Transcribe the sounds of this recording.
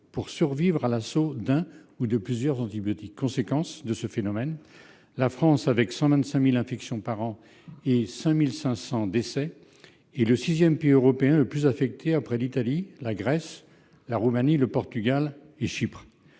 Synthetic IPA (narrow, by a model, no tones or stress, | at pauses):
puʁsyʁvivʁalasod̪ɛ̃ | ud̪əplyzjœʁzɑ̃t̪ibjɔt̪ikʰːɔ̃sekɑ̃sd̪əsəfenɔmɛn | lafχɑ̃savɛksɑ̃vɛ̃nt̪sɛ̃milɛ̃fɛksjɔ̃paʁɑ̃ | esɛ̃milsɛ̃sɑ̃d̪esɛ | ɛləsizjɛmpeiøʁɔpeɛ̃ləplyzafɛk̚t̪ʰeapχɛlit̪alilaɡʁɛs | laʁumaniləpɔʁt̪yɡal | eʃipχ